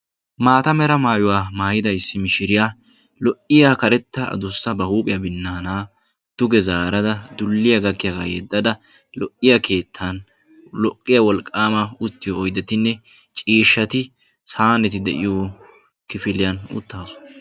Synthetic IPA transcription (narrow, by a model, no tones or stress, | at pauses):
maːt̪ɐmɛɾɐmaːjʊwaːmaːjɪd̪ɐjsːɪmɪʃɪɾɪja | lɔʔɪjakɐɾɛt̪ːɐɐ̰d̪ʊsːɐbɐhuːpʼɪjɐbɪnːaːnaː | d̪̥ʊɡɛzaːɾɐd̪ɐd̪ʊlːɪjɐɡɐkːɪjaɡajɛd̪ːɐd̪ɐ | lɔʔːɪjɐkʰe̞ːt̪ʰːan | lɔkʼːɪjɐwɔlkʼːaːmɐʊt̪ːɪjɔːjd̪ɛt̪ɪnːɛ | t͡ʃʼiːʃːɐt̪ɪ | saːnɛt̪ɪd̪ɛ̰ʔɪ̰joː | kɪfɪlɪjɐnʊ̰t̪ːaːsɔ̥